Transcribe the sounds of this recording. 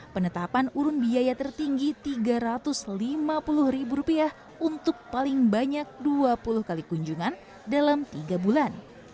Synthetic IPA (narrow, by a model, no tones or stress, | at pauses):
pənət̪apanuɾʊnbiajat̪ərt̪iŋɡit̪iɡaɾat̪ʊslimapulʊhribuɾupiah | unt̪ʊk̚palɪŋbaɲak̚duapulʊhkalikuɲd͡ʒuŋan | dalamt̪iɡabulan